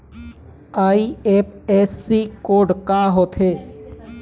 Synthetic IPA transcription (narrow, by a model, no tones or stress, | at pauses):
aːiep̚esːikoːɖkaɦoːt̪ʰeː